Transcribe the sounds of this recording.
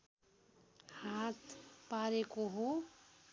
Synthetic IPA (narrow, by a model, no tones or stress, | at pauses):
hat̪paɾekoɦo